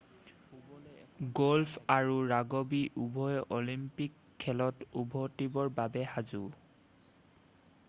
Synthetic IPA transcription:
ɡɔlpʰaɹuɹaɡobiʔubʱɔjʔɔlimpikʰːɛlɔtubʱɔtibɔɹbabɛhazu

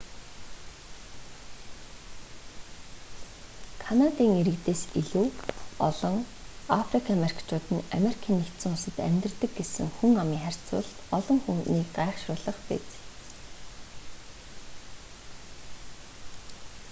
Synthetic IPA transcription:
kʰanat̪iːŋeɾɘ̆kt̪eːsiɮuːɔ̰ɮɞ̆ŋafrikʰamerkt͡ɕʰʊːt̪ɘ̆na̰meɾikʰiːnːekt̪sɘ̆ŋʊsə̆t̪æ̰mʲt̪r̆t̪ɘ̆k̚ɡesɘ̆ŋxuŋamiːŋχær̥ʲt͡sʊ̰ːɮt̪ɔɮɞ̆ŋxuniːkɢaɛχʃrʊːɮə̆χpḛt͡s

